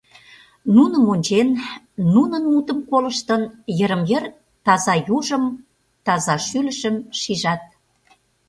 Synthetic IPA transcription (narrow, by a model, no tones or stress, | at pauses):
nunəmonʲt͡ɕenː | unənut̪əmkoləʃt̪ənjə̆ɾə̆mjər | t̪ɑzɑjuʒəm | t̪ɑzɑʃylə̆ʃəmʃiʒɑt̪̚